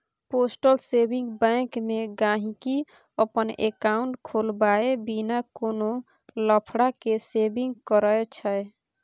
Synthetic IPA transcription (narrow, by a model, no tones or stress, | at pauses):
posʈəlsebĩŋɡbɛ̃kmeɡaɦĩki | əpənḛkaʊɳʈkʰolbaebinakono | ləpʰɽakesebĩŋɡkəɾəet͡ʃʰəe